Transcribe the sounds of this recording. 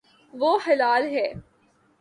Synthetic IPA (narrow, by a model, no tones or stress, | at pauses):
ʋoːxɐlaːlɦɛː